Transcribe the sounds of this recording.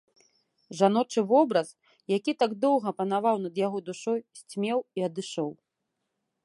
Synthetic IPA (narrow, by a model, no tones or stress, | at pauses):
ʐan̪ɔt͡ʂɨvɔbɾɐs | jakʲit̪aɡd̪ɔwɣɐpɐn̪avawnɐd̪jaɣɔd̪uʂɔjsʲt͡sʲmʲɛwiɐd̪ɨʂɔw